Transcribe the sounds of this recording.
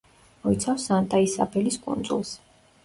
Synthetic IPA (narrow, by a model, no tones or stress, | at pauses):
mɔit̪sʰafsant̪ʼaisa̰bʰɛliskʼṵnd̪zṵlˠs